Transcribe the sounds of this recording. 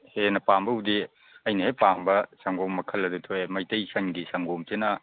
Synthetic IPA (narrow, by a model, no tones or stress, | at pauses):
henɐpambɐudi | ɐjnɐhepambɐsɐŋɡomːɐkʰɐlːɐdutʰoemɐjtɐjsɐŋɡisɐŋɡomt͡ʃenɐ